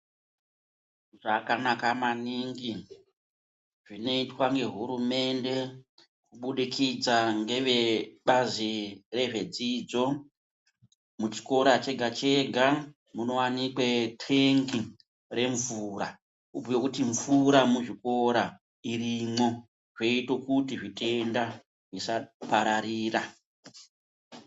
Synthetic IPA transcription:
ʐakanakamaniŋɡi | ʐ̥ino̞itwaŋɡe̞ɦuɾume̞nde̞ | kuɓuɗikʰid͡zaŋɡe̞ʋeɓazire̞ʐe̞d͡ziːd͡zo̞ | mut͡ʃi̥ko̞ɾat͡ʃe̞ɡʱat͡ʃe̞ɡʱa | muno̞wanikwetriŋɡi | re̞ɱvuːɾa̰ | ubojokutiɱvuɾamuʐiko̞ɾa | irimo̞ | ʐe̞ito̞kutiʐitʰe̞nda | ʐisapaɾaɾiːra

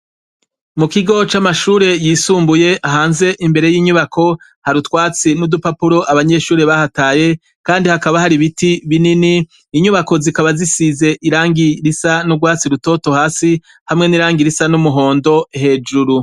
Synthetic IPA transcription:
mukiɡo̞t͡ʃamaʃuːɾe̞jiːsuːmbuje̞ʔaɦaːnze̞ʔimbe̞ɾe̞jiːɲuβakʰo̞ | haɾutwaːt͡sinudupapuɾo̞ʔaβaɲe̞ʃuːɾeβahataːje̞ | kaːndihakaβahaɾiβitiβininiː | ɲuβako̞zikaβazisize̞ʔiɾaːŋɡiɾisanuɡwaːt͡siɾuto̞ːto̞haːsi | hamŋe̞niɾaːŋɡiɾisanumuɦo̞ːndo̞ɦe̞ːd͡ʒuɾu

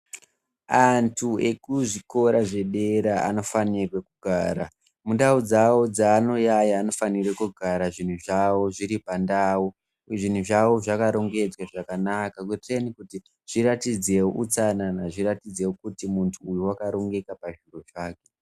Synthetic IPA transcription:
antʰue̞kuʐiko̞ɾaʐe̞ɗe̞ɾaa̰no̞fanirwekuɡʱaːɾa̰ | mundaud͡zawo̞d͡zaːno̞jajaːno̞fanirwekuɡʱaɾaʐin̤uʐawoʐiɾipandaːu | ʐin̤uʐawoʐakaɾo̞ŋɡe̞d͡zwaʐakanakakutirenikuti | ʐ̥iɾatid͡ze̞wo̰ʔut͡sananaʐiɾatid͡ze̞wokutimuntʰuːjuwakaɾo̞ŋɡe̞kapaʐiro̞ʐaːke̞̥

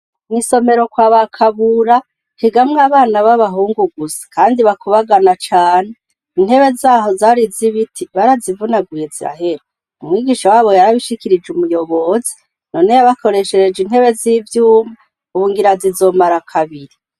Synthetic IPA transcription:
niso̞me̞ɾo̞kwaːβakʰaβuɾa | hiɡamŋaβaːnaβaβaɦuːŋɡuɡuzi̥kaːndiβakuβaɡanat͡ʃaːn̥e | in̥he̞βe̞zaːɦo̞zaːɾiziβitʰiβaɾazivunaɡwiisiɾa̰ɦe̞ɾi | umŋiːɡiʃawaːβo̞jaɾaβiʃikiɾid͡ʒumujo̞βo̞zi̥ | no̞nejaβakʰo̞ɾe̞ʃeɾed͡ʒin̥he̞βe̞ziːvjuːma | uβuːŋɡiɾazizo̞ːmaɾakʰaβiɾi

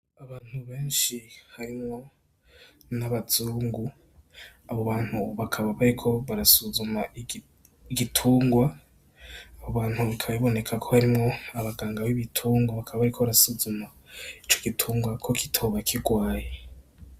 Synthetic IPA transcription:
aβaːn̥huβe̞ːnʃihaɾimŋo̞ | naβaz̥uːŋɡu | aβo̞βaːn̥huβakʰaβaβaɾikʰo̞βaɾasuzuma | ɡitʰuːŋɡwa | aβo̞βaːn̥huβikʰaβaβiβo̞ne̞kʰakʰo̞haɾimŋo̞aβaɡaːŋɡawiβitʰuːŋɡwaβakʰaβaβaɾikʰo̞βaɾasuzuma | it͡ʃoɡitʰuːŋɡwakʰo̞ki̥tʰoːβakʰiɡwaːje

